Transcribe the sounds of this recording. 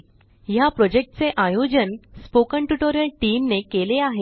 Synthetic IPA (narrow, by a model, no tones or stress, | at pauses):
japɾɔd͡ʑek̚ʈt͡seʔajod͡ʑənspokəɳʈuʈoɾjəlʈiːmnekeleaɦe